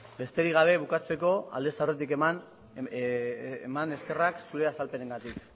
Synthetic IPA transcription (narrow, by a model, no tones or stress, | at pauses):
be̞st̪e̞ɾiɣ̞aβ̞e̞β̞ukat͡se̞ko̞a̰ld̪e̞sawret̪̬iken | emane̞ske̞raksuɾe̞asalpe̞ne̞ŋɡat̪ik